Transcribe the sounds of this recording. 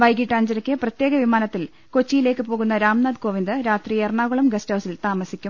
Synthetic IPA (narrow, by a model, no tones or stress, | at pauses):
ʋɐjɡiʈːaːɲd͡ʑɐɾɐkʲːɨprɐt̪jeːɡɐʋimaːnɐt̪ːil | ko̞t͡ɕːijileːkːɨpoːɣunːɐɾaːmnaːd̪ko̞ːʋind̪ɨɾaːt̪rijerɳaːɣuɭɐmɡɐsthɐwsilt̪aːmɐsikʲːum